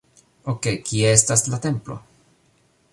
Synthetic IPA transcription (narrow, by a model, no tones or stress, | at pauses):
oke̞jkie̞estaslate̞mplo̞̰